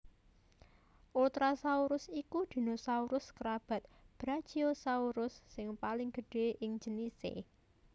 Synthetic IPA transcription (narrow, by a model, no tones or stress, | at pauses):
ʔult̪ɾasauɾʊsikud̪̥i̤nosauɾʊskəɾab̥a̤t̪̚b̥ɾḁʒ̥iosauɾʊsːɪŋpalɪŋɡ̥ə̤ɖ̥e̤ʔɪŋd͡ʒənisḛ